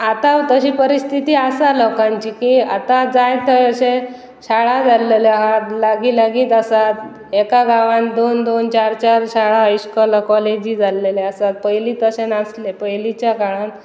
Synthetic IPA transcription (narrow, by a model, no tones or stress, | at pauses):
at̪at̪əɕiːpəɾist̪ʰit̪iːasalɔkãɲt͡ɕiːkia̰t̪ad͡zajt̪əjəɕẽ | ɕaɭad͡zʱaleleɦaɾlaɡilaɡiːt̪asat̪ | ekaɡãʋãnd̪ond̪ont͡ɕaɾt͡ɕaɾɕaɭaɦajskɔlakɔled͡ʑiːd͡zʱalːeleasat̪̚pəjliːt̪əɕenaslepəjlit͡ɕjakaɭãn